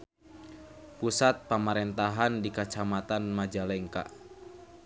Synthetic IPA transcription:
pusat̪̚pamaɾɛnt̪aɦandikat͡ʃamat̪anmad͡ʒalɛŋka̰

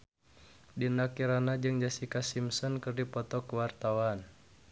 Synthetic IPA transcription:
dinakiɾanad͡ʒɨŋd͡ʒasikasimsɔnkɨrdipɔt̪ɔkəwart̪awan

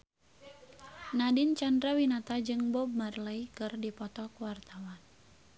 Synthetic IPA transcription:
nadint͡ʃandɾawinat̪ad͡ʒɨŋbɔb̚marlaikɨrdipɔt̪ɔkwart̪awan

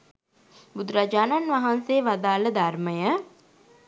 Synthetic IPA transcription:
bud̪uɾad͡ʒaːnanʋɐɦanseːʋad̪aːləd̪arməjə

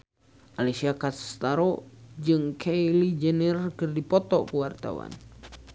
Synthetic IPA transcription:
ʔalesiakast̪aɾɔd͡ʒɨŋkʰejlid͡ʒɛnɛrkɨrdipɔt̪ɔkəwart̪a̰wa̰n

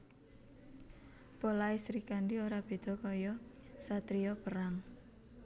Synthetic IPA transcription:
polaisɾikaɳɖioɾab̥e̤d̪̥ɔ̤kɔjɔsat̪ɾiɔpəɾaŋ

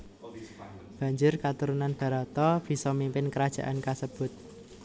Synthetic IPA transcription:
b̥ä̤ɲd͡ʒʊrkat̪uɾunanb̥a̤ɾat̪ɔb̥i̤sɔmimpɪnkəɾad̥ʒ̥ä̤ʔankasəb̥ʊ̤t̪̚

